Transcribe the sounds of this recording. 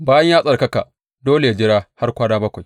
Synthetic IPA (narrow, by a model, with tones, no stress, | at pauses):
baː˦jɐ˦ɲjaː˦sʼɐ˨rkɐ˦ka˨ʔ | doː˦le˨ja˦d͡ʒɪ˦ɽaː˦ha˦rkʷaː˦daː˦bɐ˦kʷa˨j